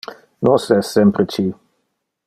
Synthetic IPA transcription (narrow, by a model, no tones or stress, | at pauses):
nɔsɛsːɛmpɾit͡ʃi